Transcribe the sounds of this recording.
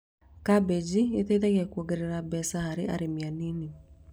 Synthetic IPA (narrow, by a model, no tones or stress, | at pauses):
kabed͡ʒiet̪etɛɣɛkwɔɡeɾeɾabɛsahaɾeʔa̰ɾemianini